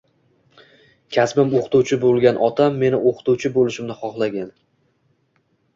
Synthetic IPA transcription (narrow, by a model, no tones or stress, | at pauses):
kʲʰasbɪmoqt̪uwt͡ʃʰɪbolˠɡʲanʔɒt̪ʰamːe̞nɪʔoqʰt̪uwt͡ʃʰɪbolɪʃɪmnɪχɒχlˠaɡʲan